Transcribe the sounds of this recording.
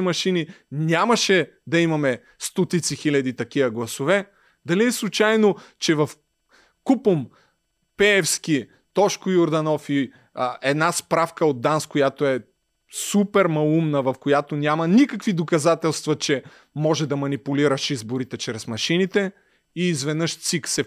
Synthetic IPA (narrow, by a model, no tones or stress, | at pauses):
mɐʃininʲamɐʃɛ | d̪ɐimɐmɛ | st̪ɔt̪it̪sixilʲɐd̪it̪ɐkiɐɡlˠɐsovɛ | d̪ɐliɛslˠut͡ʃajnot͡ʃɛvɐf | kupəm | pɛɛfsk̟i | t̪ɔʃkojʊɾd̪ɐnɔfi | ʔɛd̪naspɾafkəod̪̚d̪ːanskojat̪oɛ | supɛɾmɐlˠumnəvɐfkojat̪onʲamɐnʲikəkvid̪okɐzat̪ɛlˠst̪vɐt͡ʃɛ | mɔʒɛd̪ɐmɐnipuliɾɐʃizboɾit̪ɛt͡ʃɾɛsmɐʃinit̪ɛ | iːzvɛd̪nɤʃt̪siksɛ